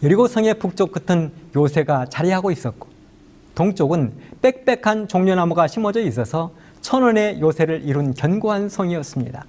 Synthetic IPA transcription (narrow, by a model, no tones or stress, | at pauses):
jʌɾiɡosʰʌŋe̞puk̚t͡ɕ͈ok͈̚ːɯtʰɯnjosʰe̞ɡat͡ɕaɾiɦaɡois͈ʌt̚k͈o̥ | toŋt͡ɕ͈oɡɯnp͈e̞k̚p͈e̞kʰant͡ɕoŋɲonamuɡaɕʰimʌd͡ʑʌis͈ʌsʰʌ | t͡ɕʰʌnʌne̞josʰe̞ɾɯɾʔiɾunkjʌnɡoɦansʰʌŋiʌs͈ɯmɲḭda